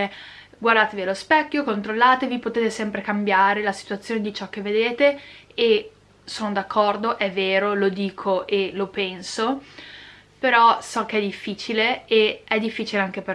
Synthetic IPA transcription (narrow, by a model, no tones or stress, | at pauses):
ɡward̪aːt̪evialospɛkʲːjokont̪ɾolːaːt̪evipot̪eːt̪esɛmpɾekambjaːɾelasi̥t̪uat̪sːjoːned̪it͡ʃɔkːevːed̪eːt̪e | e | soːnod̪akːɔrd̪oʔɛvːeːɾolod̪iːkʰoʔelopɛnso | peɾɔsɔk̟eɛd̪ifːiːt͡ʃileeɛd̪ːifːiːt͡ʃileaŋk̟epe